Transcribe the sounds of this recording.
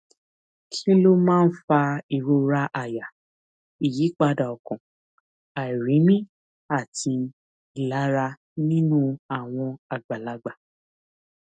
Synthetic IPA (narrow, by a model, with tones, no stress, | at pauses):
kʰi˦lo˦mãː˦˨n̩˦fa˧i˨ɾo˧ɾa˦ʔa˦˨ja˨ | i˨ji˨˦k͡pa˧da˨ɔ˨kɔ̃˨ | a˨i˨ɾĩ˨˦mĩ˦ | a˦˨tʰi˧ | i˨la˨˦ɾa˧ | nĩ˦nũ˦a˨w̃ɔ̃˧a˨ɡ͡ba˨la˨˧˦ɡ͡ba˨